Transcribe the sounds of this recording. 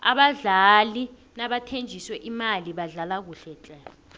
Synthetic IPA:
aɓaɮali | naɓatʰend͡ʒʱiswɛʔimaliɓaɮalak̬uɬɛt͡ɬʼɛ

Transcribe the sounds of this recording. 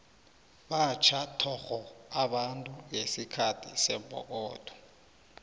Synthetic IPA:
ɓat͡ʃʰatʰɔxɔaɓantʼujesikʰatʰisɛbʱɔ̰k̬ɔːd̥ʰʱʼɔ̥

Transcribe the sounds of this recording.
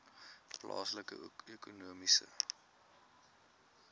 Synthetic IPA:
plɑːsləkə̰økunuəmisə

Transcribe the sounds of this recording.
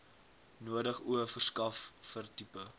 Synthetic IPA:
nuədəχuəfərskɐfːərtipə

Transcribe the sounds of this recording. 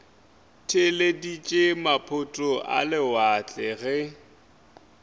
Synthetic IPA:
tʰɪledit͡ʃʼemapʰʊtʼʊʔa̰lɪwat͡ɬʼɛɣɛ

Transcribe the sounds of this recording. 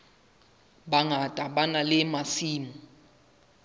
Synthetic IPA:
ɓaŋatʼaɓanalɪmasiːmu

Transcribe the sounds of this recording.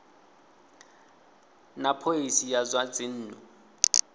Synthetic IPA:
napʰoisijazwad͡zɪn̩ːnɔ

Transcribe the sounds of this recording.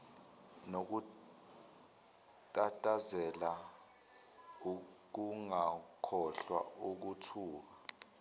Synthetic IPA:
nok̬u | tʼatʼazɛla | uk̬uŋakʰɔɬwa̰uk̬utʰuːk̬a

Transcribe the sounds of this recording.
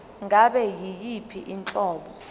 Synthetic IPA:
ŋʱaɓɛjijipʰiʔint͡ɬʼɔːɓɔ

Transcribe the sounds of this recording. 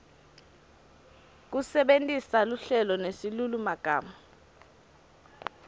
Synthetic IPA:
k̬usɛɓentʼisaluɬɛlɔnesilulumaɡ̥ʱaːma

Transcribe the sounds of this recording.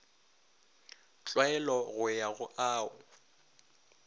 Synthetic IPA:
t͡ɬʼwaɛlɔɣʊjaɣʊʔaːʊ

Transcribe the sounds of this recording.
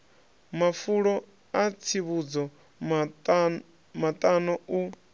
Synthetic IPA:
mafuɺɔ | at͡sʰiβud͡zɔ | mat̪ʼanɔu

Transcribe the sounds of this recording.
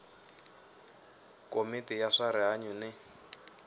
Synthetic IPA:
komitijaʂaɾɪɦaɲunɪ

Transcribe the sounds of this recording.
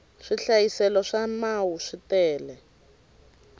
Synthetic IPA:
ʂiɬajisɛlɔʂamawuʂitɛːlɛ

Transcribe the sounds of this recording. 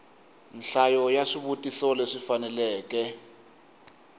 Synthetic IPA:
nɬajɔjaʂiβutʼisɔlɛʂifanɛlɛːk̬ɛ

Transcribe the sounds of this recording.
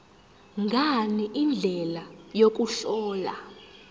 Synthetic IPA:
ŋɡʱaniʔind͡ɮʱɛlajok̬ʼuɬɔːla̰

